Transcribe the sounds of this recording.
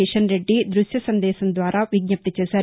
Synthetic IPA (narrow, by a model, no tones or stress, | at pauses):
ɛʃɐnɾe̞ɖːid̪ɾuʃjɐsɐnd̪ɛːʃɐnd̪ʋaːɾaːʋiɡ̚ɲɐp̚t̪ɐt͡ʃɛːsaːɾ